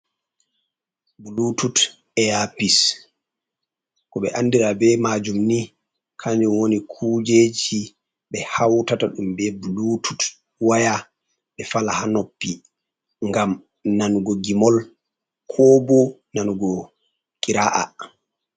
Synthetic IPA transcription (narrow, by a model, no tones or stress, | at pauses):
bulutut | ɛjapis | kɔɓɛ̰ʔanːdiɾabɛmad͡ʒumni | kʰaɲd͡ʒumwonikʰuːd͡ʒed͡ʒi | ɓɛhawtataɗumbɛbulutut | waja | ɓɛfalahanopːi | ŋɡam | nanuɡɔɡimɔl | kʰɔbɔnanuɡɔ | kʼiɾaʔa̰